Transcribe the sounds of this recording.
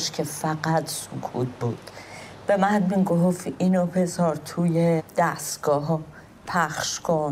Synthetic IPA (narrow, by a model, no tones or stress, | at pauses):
ʃcʰefæɢæt̪ʰsokʰṵːt̪̚ʰbuːd̪̥ | b̥e̞mænmiɡofiːnobesɒːɾt̪ʰuːjed̪̥æst̪ɡ̥ɒːɦ | pʰæχʃkʰon